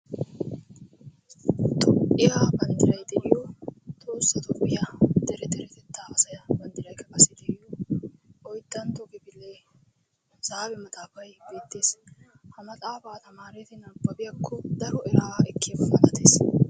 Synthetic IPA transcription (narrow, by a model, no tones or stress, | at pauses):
t̪ʰʼɔʔɪjaːbɐnd̪ɪɾɐjd̪ɛʔɪjɔt̪ʼoːsːɐt̪ɔpːɪjɐd̪ɛɾɛd̪ɛɾɛt̪ɛt̪ːaːɐsɐjɐbɐnd̪ɪɾɐjkʰɐkʼɐsɪd̪ɛʔɪjɔ | ʔɔjt̪ːɐnt̪ɔkɪbɪlːe | saːbɛmɐt̪ʼaːfɐjbe̞ːt̪ːe̞ːs | hɐmɐt̪ʼaːfɐːt̪ɐmaːɾɛt̪ɛnɐɾbɐbɪjɐkʰːɔd̪ɐɾɔɛɾaːɛkːebɐmɐnɐt̪eːs